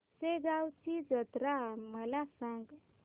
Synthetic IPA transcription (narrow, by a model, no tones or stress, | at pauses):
seɡawt͡ʃid͡ʒət̪ɾaməlasaŋɡ